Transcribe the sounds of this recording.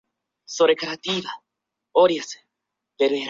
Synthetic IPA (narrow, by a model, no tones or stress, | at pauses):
soɾekaɾat̪iβa | oɾjas | deɾeɾ